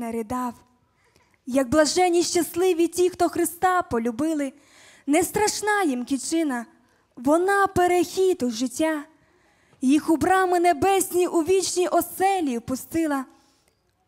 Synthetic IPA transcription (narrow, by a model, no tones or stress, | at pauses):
ɐɾʲid̪ɑw | jɐɡ̚blˠɐʒɛnʲːiʃt͡ʃɐslˠɪʋʲitʲixt̪ɔxɾɪst̪ɑpɔlʲʊbɪlˠɪ | nɛst̪ɾɐʃnɑjimkʲit͡ʃɪnɐ | ʋɔnɑpeɾexʲit̪ʊʒɪtʲːa | jixʊbɾɑmɪnebɛsʲnʲiʔuʋʲit͡ʃnʲiʔɔsɛlʲiwpʊst̪ɪlˠɐ